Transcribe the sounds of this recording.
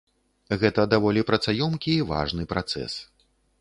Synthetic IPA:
ɣɛt̪ɐd̪avɔlʲipɾɐt̪sajɔmkʲiːva̰ʐnɨpɾat̪sɛ̰s

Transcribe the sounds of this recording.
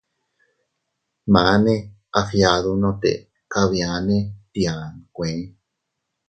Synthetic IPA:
mãne | afjaðunõt̪ḛ | kaβianẽt̪iankʷẽ

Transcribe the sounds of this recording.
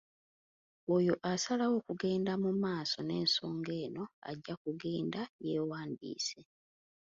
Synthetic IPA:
ojo̞ʔasalawo̞ːkuɡe̞ːndamumaːso̞ne̞ːnso̞ːŋɡe̞ːno̞a̰ɟːakuɡe̞ːndaje̞ːwaːndḭːse̞

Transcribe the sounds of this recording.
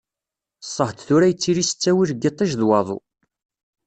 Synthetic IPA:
sˤːəht̪θuɾæjət͡sːiɾist͡sːæwiɾɡit̪ˤiʒðwɑðˤṵ

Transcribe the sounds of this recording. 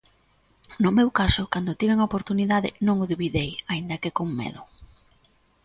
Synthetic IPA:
nʊmewkasʊkand̪ʊt̪iβeŋaopoɾt̪uniðaðɪ̰nõŋʊðiβiðejaind̪ɐkɪkoŋmḛðʊ

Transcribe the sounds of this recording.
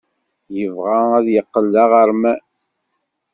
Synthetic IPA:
jəvʁaæðjəqːəlːaʁəɾmæ

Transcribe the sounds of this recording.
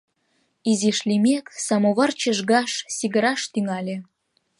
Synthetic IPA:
iziʃlʲimʲeksɑmoβɑrt͡ɕəʒɣɑʃsiɡə̆ɾɑʃt̪yŋɑlʲe

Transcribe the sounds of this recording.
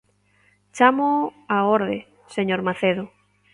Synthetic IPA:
t͡ʃamoaoɾðe | seɲoɾmaθeðʊ

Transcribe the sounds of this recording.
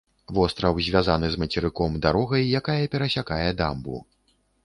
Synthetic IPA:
vɔst̪ɾɐwzʲvʲazanɨzmɐt͡sʲɛɾɨkɔmd̪aɾɔɣɐjːakajɐpʲɛɾɐsʲakajɛd̪a̰mbṵ

